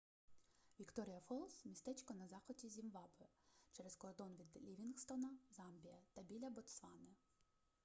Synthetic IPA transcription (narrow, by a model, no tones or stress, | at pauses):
ʋʲikt̪ɔɾʲijɐfɔlˠsmʲist̪ɛt͡ʃkɔnɐzɑxɔtʲizʲimʋɑbɪt͡ʃɛɾɛskɔɐd̪ɔnʋʲid̪lʲiʋʲinxst̪ɔnɐzɑmbʲijɐt̪ɐbʲilʲɐbɔt̪sʋɑnɪ